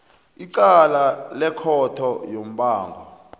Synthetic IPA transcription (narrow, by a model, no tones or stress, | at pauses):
iǀalalɛkʰɔtʰɔjom̩ɓaːŋɡʱɔ̰